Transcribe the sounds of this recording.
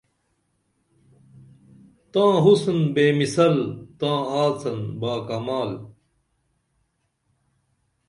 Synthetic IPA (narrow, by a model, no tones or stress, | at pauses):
t̪ãːɦusnbeːmisɐlt̪ãːaːt͡sɐnbaːkamaːl